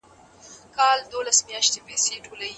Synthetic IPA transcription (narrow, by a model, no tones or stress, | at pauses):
kɑld̪olasmjɑʃt̪epeseʈolawi